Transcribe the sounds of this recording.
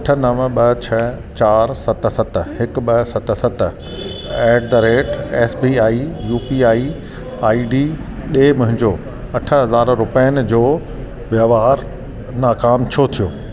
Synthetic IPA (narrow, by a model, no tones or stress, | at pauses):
ɐʈʰə̆nɐʋɓɐɦt͡ɕʰɐt͡ɕaːɾsɐt̪̆sɐt̪̆hɪkɓɐsɐt̪̆sɐt̪ə̆ | ɛːɖd̪ɾeːʈɛːsbiːaːijuːpiːaːi | aːiɖiː | ɗeːmʊ̃ɦɪ̃ɲd͡ʑoː | ɐʈʰə̆ɦɐzaːɾɾʊpəənɪ̆d͡ʑoː | ʋjɐʋaːɾ | naːkaːmt͡ɕʰot̪ʰijoː